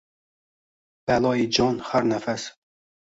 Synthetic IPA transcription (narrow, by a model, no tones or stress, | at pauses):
b̥ælˠɒːjid͡ʒɒnhæɾnæfæs